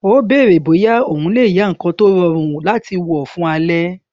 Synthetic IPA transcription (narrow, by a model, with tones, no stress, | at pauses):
o˨˦be˦˨ɾe˨bo˨˦ja˦o˦˨hũ˨˧˦le˦i˨ja˨˦ŋ̩˨kɔ̃˧˦to˦ɾɔ˧ɾ̃ũ˧˨la˦ti˧wɔ˨fũ˦a˧lɛ˦